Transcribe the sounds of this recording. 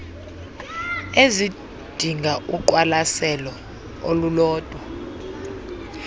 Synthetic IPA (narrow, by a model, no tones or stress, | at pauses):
ezi | d̥ʱiŋɡʱaʔuk̬ʼwalasɛlɔ | o̰lulɔːd̥ʼʱwɔ